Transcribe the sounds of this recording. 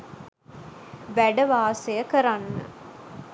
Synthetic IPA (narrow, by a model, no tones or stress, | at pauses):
ʋæɖəʋaːsejəkəɾanːə̰